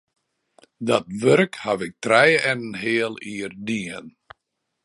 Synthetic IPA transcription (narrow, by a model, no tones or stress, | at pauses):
dɔtʋørkhaʋɪk̚trɛjɛnnɦeɪːəlˠiːərdiən